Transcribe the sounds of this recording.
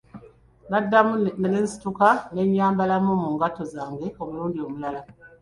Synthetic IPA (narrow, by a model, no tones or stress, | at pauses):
nadːamunelensi̥tukane̞ɲːaːmbalamumuːŋɡato̞zaːŋɡe̞omuluːndio̞mulala